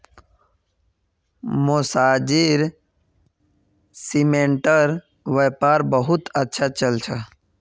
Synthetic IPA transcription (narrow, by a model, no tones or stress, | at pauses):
mosaːd͡ʒiɾ | simẽɳʈəɾ | ʋepaːɾbəɦʊt̪ətːʃʰat͡ʃəlt͡ʃʰa